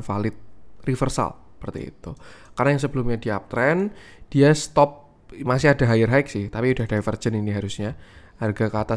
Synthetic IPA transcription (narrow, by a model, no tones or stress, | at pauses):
nfa̰lɪt̪̚rifərsa̰ləpərt̪ḭːt̪ṵkarnajaŋs̬əbəlʊmɲadiap̚t̪ɾɛn | d̥iast̪ɔp̚ | masɪhada̤ɦajɪrɦaɪk̚sɪht̪apiudahd̥afərd͡ʒəniniɦaɾʊsɲa | arɡakəat̪a